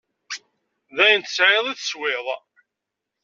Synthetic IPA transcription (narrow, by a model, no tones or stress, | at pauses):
ðæjənt̪ə̥sʕɪðˤiθswɪðˤ